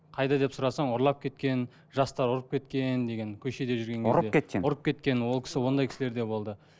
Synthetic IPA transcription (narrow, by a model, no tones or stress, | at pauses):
qʰɑjd̪ɑd̪e̞psʊɾɑsɑɴoɾlˠɑp̚kʲʰe̞t̪kʲe̞n | ʒɑst̪ɑɾʊɾəp̚kʲʰe̞t̪kʲe̞nd̪eɡʲe̞ŋkʲʰɵʃe̞d̪e̞ʒʏɾɡʲe̞ŋʲɾd̪eket̪kʲeʊɾəp̚kʲe̞t̪kʲe̞nwo̞lˠkʲʰɪ̥sɪwo̞nd̪ɑjkʰʲɪ̥sɪle̞ɾd̪e̞bo̞lˠd̪ə